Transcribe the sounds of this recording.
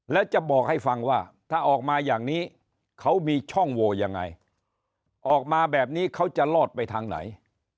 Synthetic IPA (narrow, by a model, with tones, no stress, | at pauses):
lɛː˦˥wt͡ɕa˨˩bɔː˨˩k̚ha˥˩jfa˧ŋwaː˥˩t̪ʰaː˥˩ʔɔː˨˩k̚maː˧jaː˨˩ŋniː˦˥ | kʰa˦˥wmiː˧t͡ɕʰɔ˥˩ŋwoː˧ja˧ŋːa̰˧j | ʔɔː˨˩k̚maː˧bɛː˨˩p̚niː˦˥kʰa˦˥wt͡ɕa˨˩lɔː˥˩t̪̚pa˧jt̪ʰaː˧ŋna̰˩˦j